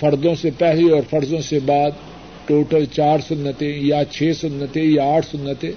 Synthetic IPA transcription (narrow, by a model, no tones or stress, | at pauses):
fʰɐɾd̪õsepɛɦleɔːɾfʰɐɾd̪õsebaːd̪̚ | ʈoːʈəlt͡ʃaːɾsʊnːət̪ẽjat͡ʃʰeːsʊnːət̪ẽjaaːʈʰsʊnːət̪ẽː